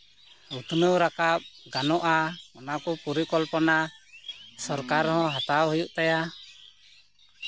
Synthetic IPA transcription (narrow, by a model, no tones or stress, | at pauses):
ut̪ʰnəwɾakap̚ɡanɔʔaɔnakɔpuɾikɔlpɔna | sɔɾkaɾhɔ̃ɦat̪awɦujuʔt̪aja